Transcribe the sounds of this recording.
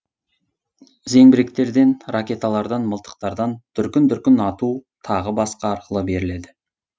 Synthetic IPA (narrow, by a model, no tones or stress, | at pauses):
ze̞ŋbɪɾek̚t̪e̞ɾd̪e̞nrakʲe̞t̪alˠɑɾd̪ɑnməlˠt̪ə̥q̚t̪ɑɾd̪ɑnt̪ʰʏɾkʲɪnt̪ʰʏɾkʲɪnɑt̪ut̪ʰɑʁəbɑsqɑːɾqəlˠəbe̞ɾɪle̞d̪ɪ